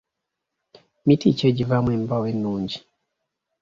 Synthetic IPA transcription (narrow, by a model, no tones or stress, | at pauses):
mitit͡ʃeɟivamwembawenːuːɲɟi̥